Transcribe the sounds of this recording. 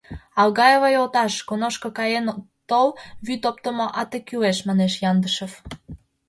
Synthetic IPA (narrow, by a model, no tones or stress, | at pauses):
ɑlɣɑjeβəjolt̪ɑʃkonoʃkŏkɑjen | t̪owβyt̪op̚t̪əmoʔɑt̪ekyeʃmɑneʃjɑnd̪əʃə̆f